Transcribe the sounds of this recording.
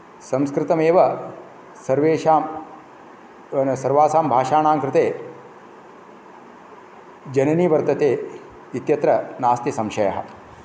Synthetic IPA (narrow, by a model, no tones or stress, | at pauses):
sɐ̃mskɾɪt̪ɐmeːʋɐ | sɐɾʋeːʃaːm | sɐɾʋaːsaːmbʱaːʃaːnaːŋkɾɪt̪eː | d͡ʒɐnɐniːʋɐɾt̪ɐt̪eː | it̪jɐt̪ɾɐnaːst̪jɐsɐmʃɐjɐ̰ɦɐ̰̆